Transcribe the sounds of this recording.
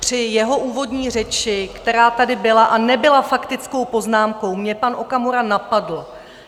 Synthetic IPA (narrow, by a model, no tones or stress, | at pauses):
pr̝̥ɪjɛɦo̞ʔuːvo̞dɲiːr̝ɛt͡ʃɪkt̪ɛɾaːt̪adɪbɪlaʔanɛbɪlafakt̪ɪt͡sko̞wpo̞znaːmko̞wmɲɛpanʔo̞kamoɾanapadl̩